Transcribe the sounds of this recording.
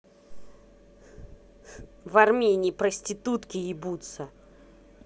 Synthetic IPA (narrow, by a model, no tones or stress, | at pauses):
vɐrmʲenʲiːpɾəsʲtʲɪt̪ut̪kʲɪɪbut̪sə